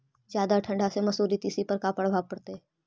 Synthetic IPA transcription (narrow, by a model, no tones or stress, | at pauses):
zjaːd̪aʈʰə̃ɳɖʱasemɐsuːɾit̪isipɐɾkaːpəɽbʱaːpɐɽt̪e